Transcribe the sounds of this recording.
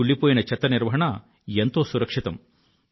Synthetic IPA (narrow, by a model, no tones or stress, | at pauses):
uɭːipoːjinɐt͡ʃɐt̪ːɐniɾʋɐɦɐɳɐ | ent̪o̞ːsuɾɐkʂit̪ɐm